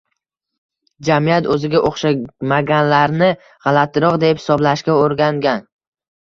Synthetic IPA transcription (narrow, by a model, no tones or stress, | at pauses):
d͡ʒamɪjat̪ɵzɪɡʲaʔoχʃamaɡʲanlaɾnɪ | ʁɑlˠat̪ʰɪɾɒqd̪e̞phɪsɒblaʃkʲaoɾɡʲaŋɡʲan